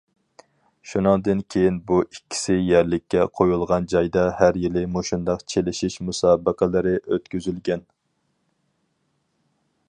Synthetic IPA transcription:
ʃunɨŋd̪ɨnkʲʰejinbuʔikʲʰːi̥sɪjæɾlɪkʲʰːɛqʰojulˠʁɑnd͡ʒɑjd̪ɑhæɾjilɪmoʃund̪ɑqt͡ʃʰelɪʃiʃmusɑːbəqʰəlˠɨɾɪʔøt̪kʲyzylɡʲɛn

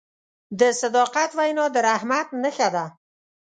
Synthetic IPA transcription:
d̪əsad̪ɑqat̪wajnɑd̪əɾahmat̪nəxad̪a

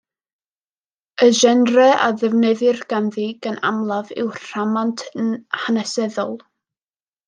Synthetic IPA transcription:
əʒɛnrɛʔa̰ðɛvnɛðɨrɡ̥anðiɡəna̰mlˠavɪ̰wr̥amantʰhanɛsɛðɔlˠ

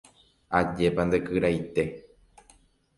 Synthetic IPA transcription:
ad͡ʒe̞pand̪ekɨɾajt̪e̞

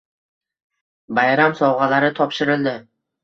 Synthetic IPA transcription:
bajɾamsɒwʁalaɾɪt̪ʰɒpʃɪɾɪld̪ɪ

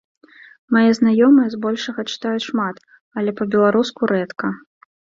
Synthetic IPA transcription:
majɛznajɔmɨjɛzbɔlʲʂɐɣɐt͡ʂɨ̥t̪ajuʂmat̪ | ɐlʲɛpɐbʲɛlˠaɾuskuɾɛt̪kɐ

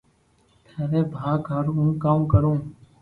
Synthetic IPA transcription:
t̪ʰəɾeːbʱaːɡʱəɾɦũːkaːmkəɾõː

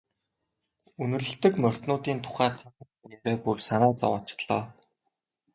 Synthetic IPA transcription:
ɵnɵ̆rɵ̆ɬt̪ɘ̆kmœr̥ʲt̪nʊːt̪iːnt̪ʰʊ̥χæːt̪ʰaə̆ | eɾeːpursanæːt͡sɔ̰waːt͡ɕɪ̥̆χɮɔ̰ː

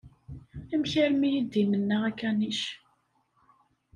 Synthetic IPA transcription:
æmçæɾmijid̪ːimənːəʁækːæniʃ

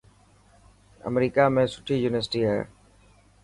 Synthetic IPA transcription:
ə̰mɾiːkaːmẽːsʊ̥ʈʰiːjuːnɪəɾsʈiːɦaḛː

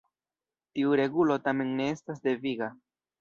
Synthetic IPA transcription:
tiuɾe̞ɡulo̞tame̞nːe̞e̞stas̬de̞viɡa

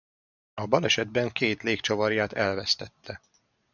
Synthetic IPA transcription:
ɒbɒlɛʃɛd̪̚bɛŋkeːt̪leːkt͡ʃovɒrjaːt̪ɛlvɛst̪ɛt̪ʰːɛ

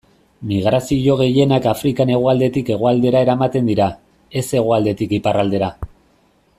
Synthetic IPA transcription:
miɣ̞ɾasiʝo̞ɣ̞e̞je̞nakafɾikane̞ɣ̞oald̪e̞t̪ike̞ɣ̞oald̪e̞ɾaeɾamat̪e̞nd̪iɾa | e̞se̞ɣ̞oald̪e̞t̪ikiparald̪e̞ɾa

